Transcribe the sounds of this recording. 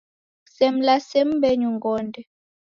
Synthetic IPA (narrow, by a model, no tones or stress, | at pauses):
sɛm̩lasɛm̩bɛɲuŋɡɔndɛ